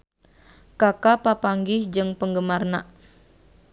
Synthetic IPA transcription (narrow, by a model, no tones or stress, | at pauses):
kakapapaŋɡɪhd͡ʒɨŋpəŋɡəmarna